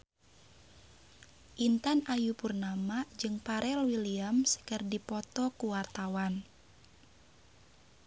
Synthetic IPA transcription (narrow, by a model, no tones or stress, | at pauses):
ʔint̪anajupurnamad͡ʒɨŋpaɾʔɛlwiliamskərdipɔt̪ɔkuwart̪awan